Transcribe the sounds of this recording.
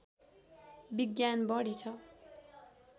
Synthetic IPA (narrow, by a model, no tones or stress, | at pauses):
biɡjanbʌɽit͡sʰʌ